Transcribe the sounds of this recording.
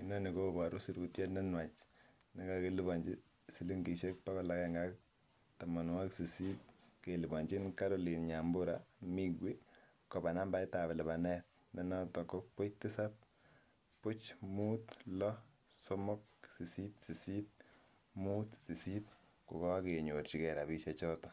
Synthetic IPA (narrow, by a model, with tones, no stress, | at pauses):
i˦nɔ˦ni˨ko˦ba˨ɾu˦si˦ɾku˨tje˦tnɛ˦nwa˨t͡ʃ | nɪ˦ka˦ke˦li˦bɔ˨ɲd͡ʒi˦ | si˦li˦ŋɡi˨ʃe˦k̚pa˦kɔ˨la˦kɛŋɡa˦k | ta˨ma˨nwa˦ksi˨si˦t̚ke˨li˨bɔ˨ɲd͡ʒi˦nka˦ɾo˦˨li˨nɲa˨mbʊ˦ɾami˦ɡwe˦ | kɔ˨ba˨na˦mba˦jta˨be˨lɛ˨ba˨nɛ˦t̚ | ne˦nɔ˦tɔ˨ko˦pʊ˦t͡ʃtɪ˦sa˦p̚ | pʊ˦t͡ʃmu˦tlɔ˦ | so˦mɔ˦k̚si˨si˦tsi˨si˦t̚ | muː˦tsi˨si˦t | kʊ˨kɔ˦ke˨ɲo˨ɾt͡ʃi˨kɛ˨ɾa˨bi˦ʃa˨t͡ʃɔ˦tɔ̥˨